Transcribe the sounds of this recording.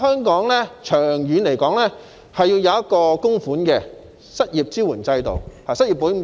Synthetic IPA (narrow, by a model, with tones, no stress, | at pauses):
hœː˥ŋkɔː˨˥ŋlɛː˥t͡ʃʰœː˨˩ŋjyː˨˥nle˨˩jkɔː˨˥ŋlɛː˥ | hɐ˨jːiː˧wjɐ˨˧wjɐ˥t̚kɔː˧kʊ˥ŋfuː˨˥nkɛː˧ | sɐ˥t̚jiː˨˩p̚t͡siː˥wuː˨˩nt͡sɐ˧jt̪o̰˨whaː˨˩sɐ˥t̚jiː˨pːuː˨˥˨